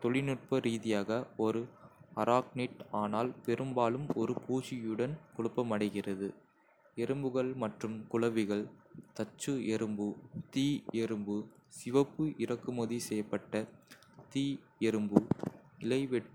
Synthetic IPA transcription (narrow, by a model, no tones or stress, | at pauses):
t̪ɔɭɪnɯʈ̚pɐɾiːðɪjaːɣɐɔɾɯɐɾʔaːkniʈaːnaːlpɛɾɯmbaːlɯmɔɾɯpʰuːt͡ʃɪjɯɽɐnkɔɽɯpːɐmɐɽɐɪɣɪrɐðɯ | ɛɾɯmbɯɣɐɭmɐʈrɯmkʊɭɐʋɪɣɐɭt̪ɐt͡ʃːɯɛɾɯmbɯt̪iːɛɾɯmbɯsɪʋɐpːɯʔɪɾɐkːɯmɔðisɛjːɐpːɐʈːɐ | t̪iː | ɛɾɯmbɯɪlɐɪʋɛʈ